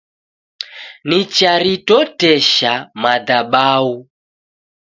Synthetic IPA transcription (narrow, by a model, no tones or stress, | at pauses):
nit͡ʃaɾitɔtɛʃamadaɓau